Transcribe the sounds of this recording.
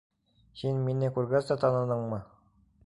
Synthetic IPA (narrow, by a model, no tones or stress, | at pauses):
hinminːɘkʉɾɡæzd̪ɑt̪ɑnɤ̆nɤɴmɤ